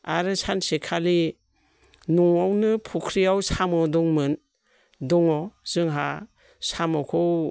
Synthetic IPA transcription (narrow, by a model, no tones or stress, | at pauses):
aɾɯsansekʰali | nuŋawnɯpʰukʰɾiawsamɔdɔŋmɯn | dɔŋɔz̥ɯŋɦa | samɔwkʰɔw